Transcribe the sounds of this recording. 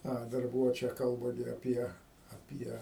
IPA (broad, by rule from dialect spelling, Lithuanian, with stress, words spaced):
ˈɐ dɐr ˈbuːʋoː ˈt͡ʃʲɛ ˈkɐlˠbɐ ɡʲɪ ɐˈpʲiɛ ɐˈpʲiɛ